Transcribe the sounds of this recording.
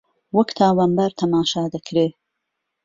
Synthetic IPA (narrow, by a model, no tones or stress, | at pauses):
wəkt̪ʰaːwambaɾt̪ʰɐmaːʃaːd̪ɐkʰɾeː